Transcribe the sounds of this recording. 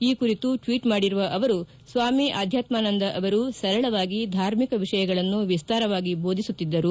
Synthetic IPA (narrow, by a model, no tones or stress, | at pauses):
iːkuɾit̪uʈʋiːʈmaːɽiɾuʋɐʔɐʋɐɾu | sʋaːmiʔaːd̪ʱjaːt̪maːnɐnd̪ɐʔɐʋɐɾusɐɾɐɭɐʋaːɡid̪ʱaːɾmikɐʋiʂɐjɐɡɐɭɐnːuʋist̪aːɾɐʋaːɡibo̞ːd̪ʱisut̪ːid̪ːɐɾu